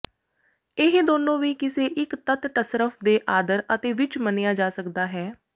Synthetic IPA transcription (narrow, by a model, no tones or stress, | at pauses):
ɪɦd̪oːnõːʋiːkɪseːʔɪkt̪ət̪ʈəsɾəfʰd̪eːʔaːd̪əɾət̪eːʋɪt͡ʃmənɪjaːd͡ʒaːsəkd̪aːɦɛː